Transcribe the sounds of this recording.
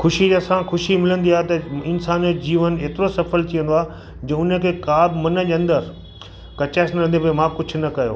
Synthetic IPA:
xʊʃid͡ʑɐsãxʊʃimɪlə̃nd̪iaːet̪ɐɪnsaːnod͡ʑiːʋəneːt̪ɪɾosɐfəlt̪ʰijə̃nd̪oaːɦ | d͡ʑɐ̃ʊnə̆kʰeːkaːbmɐnə̆d͡ʑɐ̃nd̪əɾ | kɐt͡ɕaːsnɾɐ̃nd̪epɐemãkʊd͡ʑʰʊ̆nɐkɐjo̰ː

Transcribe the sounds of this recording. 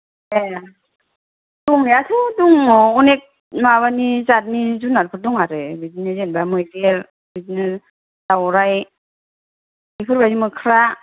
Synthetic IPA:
e | duŋniatʰɯduŋunek̚ | maβanizat̚nizunaɾpʰɯt̚duŋaɾɯbizinɯsenbamɯjɾeɾ | bizini | dawɾaj | ikʰɯɾbazimɯkʰɾa

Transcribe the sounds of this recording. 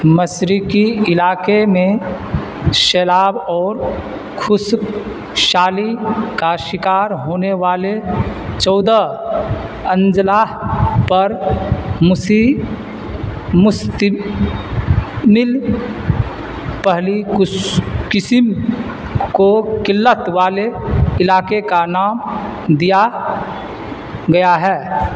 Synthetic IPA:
məsɾikiɪlaːkemẽ | ʃɛːlaːbɔːɾ | kʰʊs | ʃaːlikaʃɪkaːɾɦoːneʋaːle | t͡ʃɔːd̪ə | ə̃nd͡ʒlaːɦpəɾmsi | ms | mɪl | pɛɦli | kɪsɪm | kokɪlːət̪ʋaːleɪlaːkekanaːm | d̪ija | ɡɐjaɦɛː

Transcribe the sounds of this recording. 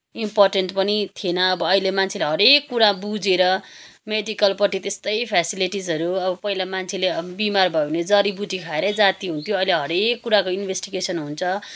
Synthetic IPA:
imporʈenʈpʌnit̪ʰienʌːbʌːɦilemant͡sʰeleɦʌɾekːuɾabud͡zeɾʌmeɖikʌlpʌʈit̪est̪ʌjpʰasiliʈid͡zʌɾuʌbʌpʌilamant͡sʰelebimarbʱʌjned͡zʌɾibuʈikʰaeɾʌd͡zat̪iɦunt̪ʰjoʌileɦʌɾekːuɾakoinbʱesʈiɡesʌnɦunt͡sʰʌ

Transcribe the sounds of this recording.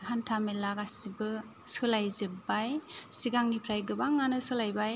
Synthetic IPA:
hantʰamelakasibɯ | sɯlajzɯbajsiɡaŋnipʰɾajɡɯbaŋːanɯsɯlajbaj

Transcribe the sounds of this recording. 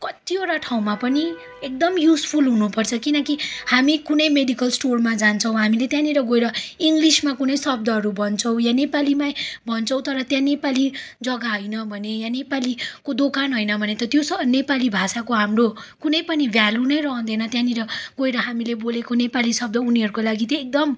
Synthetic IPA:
kʌt̪ioʈaʈʰaw̃mapʌni | ek̚d̪ʌmjuspʰulɦunupʌrt͡sʰʌkinʌkihamikunʌjmeɖikʌlsʈormad͡zant͡sʰʌw̃ɦamilet̪jãniɾʌɡoeɾʌiŋɡlismakunʌjsʌb̚d̪ʌɦʌɾubʱʌnt͡sʰʌw̃janepalimajbʱʌnt͡sʰʌw̃t̪ʌɾʌt̪jãnepalid͡zʌɡaɦʌjnʌbʱʌnejãnepalikod̪okanɦojnʌbʱʌnet̪ʌt̪josʌnepalibʱasakoɦamrokunʌjpʌnibʱjalunʌjɾʌɦʌ̃nd̪enʌt̪jãniɾʌɡoeɾʌɦamilebolekonepalisʌb̚d̪ʌuniɦʌɾukolaɡit̪joek̚d̪ʌm

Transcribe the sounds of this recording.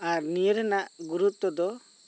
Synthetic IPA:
aɾnijəɾɛnaʔɡuɾut̪ːɔd̪ɔ

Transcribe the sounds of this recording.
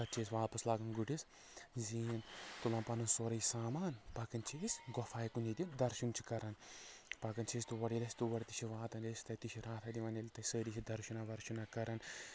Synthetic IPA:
sɐt͡ʃʰeːsʋaːpɐslaːɡɐnɡuʈis | ziːnt̪ulaːnpɐnɐnsoːɾɐjsaːmaːnpɐkɐnt͡ʃʰisɡɔfaːjikunit̪id̪ɐɾʃunt͡ʃʰi̥kɐɾɐnpɐkɐnt͡ʃʰeːst̪uʋɐɽilɐsʲt̪uʋɐɽt̪it͡ʃʰiʋaːt̪ɐnlesʲt̪ɐt̪it͡ʃʰiɾaːt̪ʰɐd̪iʋɐːnilʲt̪ɐsəːɾit͡ʃʰid̪ɐɾʃunaʋɐɾʃunakɐɾɐn

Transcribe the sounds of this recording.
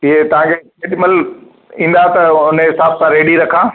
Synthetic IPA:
ɪɦet̪ɐʋ̤ãːkʰe | eɗməl | ĩːn̆d̪at̪ɐʊnɦɪsaːb̚sãɾeːɖiɾɐkʰãː

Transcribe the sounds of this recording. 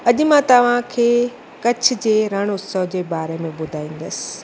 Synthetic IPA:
ɐʄmãt̪ɐʋ̤ãkʰeː | kɐt͡ɕʰʊ̆d͡ʑeːɾɐɽ̃ʊsəɦd͡ʑeːbaːɾemẽɓʊd̪ʱaːĩːn̆d̪əsɪ̥̆

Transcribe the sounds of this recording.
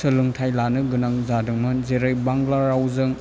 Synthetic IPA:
sɯlɯŋtʰajlanɯɡɯnaŋzadɯŋmazeɾɯjbaŋɡlaɾawzɯŋ

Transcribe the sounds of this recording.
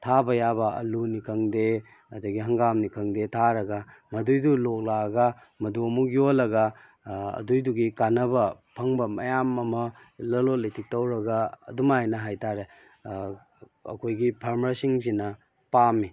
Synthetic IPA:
tʰabɐjabɐɐ̰lunikʰɐŋde | ɐdɐɡiɦɐŋɡamnikʰɐŋdetʰaɾɐɡɐ | mɐdujdulok̚laɡɐ | mɐduɐmuk̚jolɐɡɐ | ɐ̰dujduɡikanɐbɐpʰɐŋbɐmɐjamɐmɐ | lɐlotlijtʰik̚tɐwɾɐɡaɐ̰dumajnɐɦajtʰaɾe | ɐ̰kʰojɡipʰɐɾmɐɾsiŋzinɐ | pami

